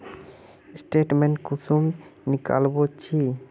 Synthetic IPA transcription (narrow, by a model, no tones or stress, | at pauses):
sʈeʈmeɳʈkusumnika̰lbot͡ɕʰi